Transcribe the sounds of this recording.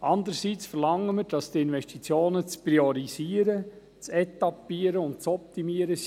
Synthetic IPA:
ʔɑnd̪əɾsiːt͡sfərlɑŋːəməɾd̥ɑstiɪnʋɛʃtit͡sjoːnət͡spɾiɔɾiziːəɾə | t͡sɛt̪ɑpiːəɾəʊntt͡sɔpt̪imiəɾə

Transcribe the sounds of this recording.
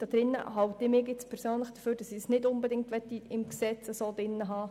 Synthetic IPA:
d̥ɑd̥̪ɾɪnːə̰ɦɑwt̪ɪmɪːkɪt͡spʰɛɾsøːnləχd̥əføːɾd̥ɑsɪsnɪdʊnbɛdɪŋtʋɛt̪ːiɪmksɛt͡səsoːd̥ɪnːəɦɑː

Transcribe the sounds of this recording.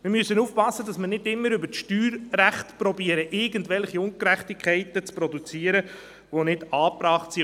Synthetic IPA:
mɪɾmysːənuːfpɑsːədɑsməɾnɪdɪmːəɾʏbəɾʃtyːɾræχtpɾɔbiəɾəʔɪɡəntvɛlχiʊnkɾɛχtikʰχɛɪtət͡spɾɔdut͡siːəɾə | vonɪdɑːpɾɑːχtsi

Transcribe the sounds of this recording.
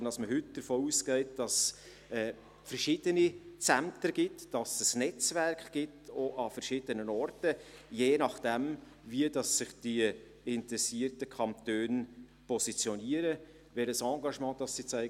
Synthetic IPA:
nɑsməɦʏtd̥əɾfoːuːskɛɪt̚d̥ɑs | ɛː | fərʃɪːd̥ənit͡sæmtəɡ̥ɪtd̥ɑsəsnɛt͡sværkχɡ̥ɪtoʔɑfəɾʃɪːdənənɔrtəjeːnɑχd̥ɛm | viədɑsːɪχd̥i | ɪntɾɛsiərtəkʰɑnt̪øːn | pʰɔsit͡sjɔniəɾə | ʋɛɾəsɑːɡɑʃmɑ̃ːd̥ɑsːit͡sɛɪ

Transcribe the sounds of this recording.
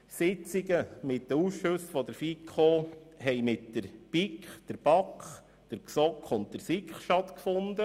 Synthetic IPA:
sɪt͡siɡəmɪtːəusʃɵsfɔd̥̪əɾfikʰoɦɛɪmɪtdəɾpikχd̥əɾb̥ɑkχ | d̥əɾksɔkʰχʊnt̚təɾsikχʃtɑt̪kfʊnd̪ə

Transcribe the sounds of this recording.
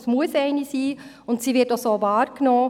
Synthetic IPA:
smuəsɛɪnisiː | ʊntsiːʋɪtosoːvɑːɾknoː

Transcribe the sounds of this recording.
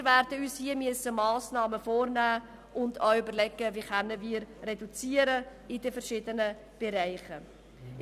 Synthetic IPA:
ɾværdəyːshiəmyəsːəmɑːsnɑːməfoːrnæː | ʔʊndœwʏbərlɛɡəviːχœnːəviːɾrɛdut͡siːəɾəidəfəɾʃɪdənə | b̥ɛɾæɪχə

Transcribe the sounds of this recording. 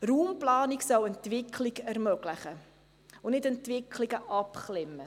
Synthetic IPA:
ruːmplɑːniksɑləntvɪkʰlikærmøɡləχə | ʊnɪtəntvɪkʰliɡəʔɑpχlɪmə

